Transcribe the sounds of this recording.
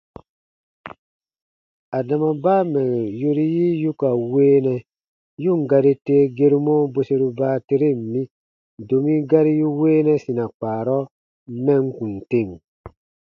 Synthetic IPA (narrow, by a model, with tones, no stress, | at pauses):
a˨da˨ma˨baː˦mɛ˨jo˦ɾi˦ji˦ju˦ka˨weː˦nɛ˨ | ju˦˨ŋ˨ɡa˦ɾi˦teː˦ɡe˦ɾu˦mo˦bo˦se˦ɾu˦baː˦te˦ɾe˦˨m̩˨mĩ˦ | do˨mi˦ɡa˦ɾi˦ju˦weː˦nɛ˦sĩ˨na˨k͡paː˨ɾɔ˦ | mɛ˦˨ŋ˦kũ˨n˨te˦˨ŋ